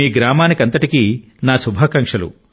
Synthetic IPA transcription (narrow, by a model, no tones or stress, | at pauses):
iːɡɾaːmaːnikɐnt̪ɐʈikiː | naːsubʱaːkɐŋkʂɐlṵ